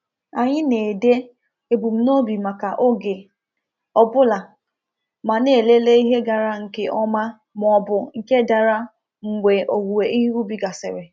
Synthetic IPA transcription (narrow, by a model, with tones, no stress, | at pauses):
a˨ɲɪ˦ne˨de˦ | e˨bu˨m̩˦no˦bi˨ma˨ka˨ʔo˦ɡe˨ | ɔ˨bʊ˦la˨ | ma˨ne˨le˦le˦i˦ɦe˦ɡa˨ɾa˦ŋ̩˨ke˦ʔɔ˦ma˦ | m˨ɔ˨bʊ˨ŋ̩˨ke˦da˨ɾa˦ | ŋ̩˨ɡʷe˨ʔo˨ɡu˨we˨ʔi˦ɦi˦ɾu˦bi˨ɡa˨sɪ̰˨ɾɪ˨